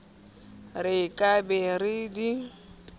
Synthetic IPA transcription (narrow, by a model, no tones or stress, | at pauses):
rɪkʼaberɪdi